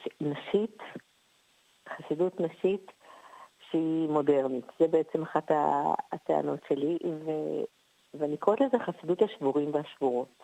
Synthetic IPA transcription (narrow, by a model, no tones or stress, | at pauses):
naʃit | χasidutnaʃit | ʃeimo̞de̞ʁnitzebeet͡semaχata̰ːtḛa̰no̞tʃelive | veanikʁot̪lezeχasiduthaʃvuʁimveɦaʃvuʁot